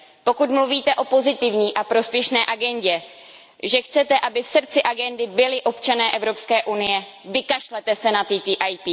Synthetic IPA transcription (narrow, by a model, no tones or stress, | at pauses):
po̞kut̪mluviːt̪ɛʔo̞po̞zɪt̪ɪvɲiːʔapɾo̞spjɛʃnɛːʔaɡɛnɟɛ | ʒɛxt͡sɛt̪ɛʔabɪfsrtt͡sɪʔaɡɛndɪbɪlɪʔo̞pt͡ʃanɛːʔɛvɾo̞pskɛːʔunɪjɛ | vɪkaʃlɛt̪ɛsɛnat̪iːt̪iʔajt̪i